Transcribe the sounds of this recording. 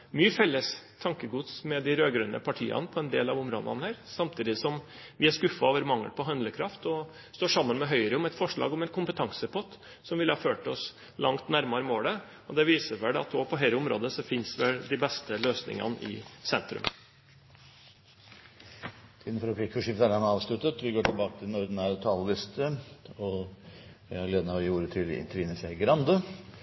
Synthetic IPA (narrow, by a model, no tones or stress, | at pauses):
myːəfɛlːəst̪ʰɑŋkəɡuːt̪smɛd̪ɪɾøːɡɾʉnə̰pʰɑʈʰiːɑ̰nəpʰɔɛnd̪ḛːlɑʋʊmɾo̰ːd̪ɑ̰nəhæːɾsɑmt̪ʰiːd̪ɪsɔm | ʋɪæʂkʉfɑɔːʋəɾmɑŋːə̰lpʰɔɦɑnd̪ləkʰɾɑft̪ɔ | st̪oːʂɑmːənmɛɦœʏɾəɔmɛt̪fɔʂɭɑ̰ːɡɔmɛnkʰʊmpət̪ʰɑŋsəpʰɔt̪ | sɔmʋɪlːhɑːføːʈɔs | lɑŋt̪næɾmɑɾəmoːlə | ɔd̪ɛʋiːsəʋɛlɑ̰t̪oːpʰɔɦeləʊmɾo̰ːd̪əsɔfɪnsʋɛld̪ɪbɛst̪əløːsnɪ̰ŋɑ̰nəʔɪ̰sɛnt̪ɾʉ̰m | t̪ʰiːd̪n̩fɔɾɔpʰikfɔʂɪft̪æɾɑnɑːʋʂlʉt̪ət̪ʋɪɡoːʈʰɪlbɑːkət̪ʰɪlnɔɾd̪n̩æɾt̪ʰɑːləlɪst̪ʰəɔ | ɪæleːd̪ənæɔjuːɾət̪ʰɪlɪ̰nt̪əɾʋiːnəsæɪɡɾɑnd̪ə